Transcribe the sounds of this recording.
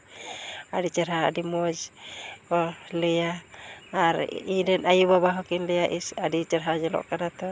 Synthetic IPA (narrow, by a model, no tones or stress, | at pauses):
adit͡ʃəɾɦaa̰dimɔd͡ʒkɔlɛjaaɾ̰idɛnajubabaɦɔkinlɛjaʔisadit͡ʃəɾɦad͡ʒɛlɔ̰ʔkanat̪ɔ